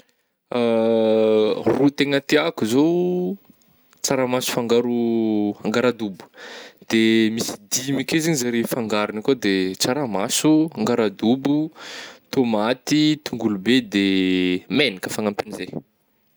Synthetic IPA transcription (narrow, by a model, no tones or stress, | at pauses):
a | rut̪eŋət̪iakuzo | t͡saɾamasu̥faŋɡaɾuaŋɡaɾad̪ubu̥d̪̥emisi̥d̪imikezeɲzaɾefaŋɡaɾunikod̪et͡saɾamasuaŋɡaɾad̪ubut̪omat̪it̪uŋɡulubed̪emenikəfaŋampinize